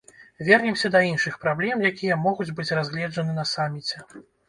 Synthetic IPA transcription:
vʲɛrnʲɛmsʲɐd̪ɐinʂɨxpɾablʲɛmjakʲijɐmɔɣud͡zʲbɨt͡sʲrazʲɣlʲɛd͡ʐɐnɨnɐsamʲːit͡sʲɛ

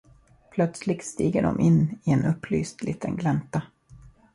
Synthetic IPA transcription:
pʰlœt̪slɪɡ̚t̪st̪iːɡəɖɔ̰mʔɪnːɪɛnɵpːlyːst̪liːt̪ʰənɡlɛnt̪a

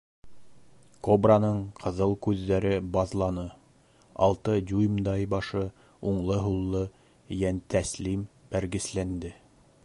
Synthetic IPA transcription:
kobranɤɴqʰɤ̆ðɤlˠkʉðːæɾɘbɑðlˠɑnɤ | ɑ̰lˠt̪ɤd̪ʲujmd̪ɑjbɑʃɤ | uɴlˠɤɦulˠːɤ | jænt̪æslimbæɾɡɘ̆slænd̪ɘ

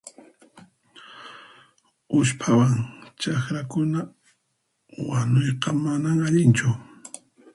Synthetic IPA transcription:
ʊʃpʰawaŋt͡ʃaxɾakʊna | wanojqɑmanaŋaʎɪnt͡ʃʊ

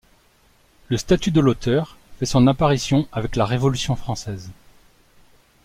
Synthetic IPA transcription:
ləst̪at̪yd̪əlot̪œʁfɛsɔ̃napaʁisjɔ̃avɛklaʁevɔlysjɔ̃fχɑ̃sɛz

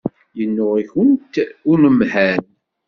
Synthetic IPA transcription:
jənːʊʁiçənt̪ʊnəmhæn

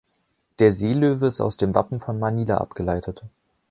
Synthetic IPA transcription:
d̥eːɐzeːløːvəɪsta̰ʊsd̥eːmva̰pm̩fɔnmaniːla̰ʔa̰pɡ̥əlaɪtʰət

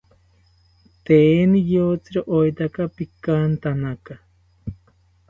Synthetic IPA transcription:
t̪eːnijoːt͡sɨɾoʔojt̪akapikant̪anaka

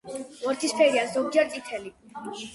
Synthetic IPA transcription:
vɔɾt̪ʰispʰɛɾiazɔɡ̚d͡ʒɛɾt̪sʼit̪ʰɛli

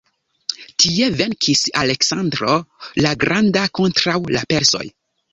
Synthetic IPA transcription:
tie̞ve̞nkʰisale̞ksandɾo̞laɡɾʔandako̞ntɾawlape̞ɾso̞̰j

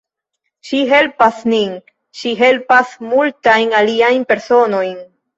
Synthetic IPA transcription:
ʃiɦe̞lpasnin | ʃiɦe̞lpasmultajnaliajnpe̞ɾso̞no̞jn

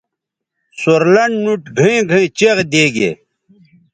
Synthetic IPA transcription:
soɾlɐɳɖnuʈɡʱɐ̃ĩɡʱɐ̃ĩt͡ɕeʁd̪eːɡḛ

